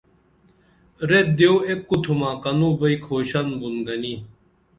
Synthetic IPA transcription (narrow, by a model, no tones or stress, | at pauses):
ɾet̪̚d̪eoekːut̪ʰumãːkɐnuːbɐikʰoːɕɐnbunɡɐniː